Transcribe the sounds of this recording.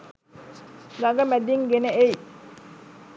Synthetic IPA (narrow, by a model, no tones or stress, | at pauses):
ɡaɡɐmæd̪iŋɡeneej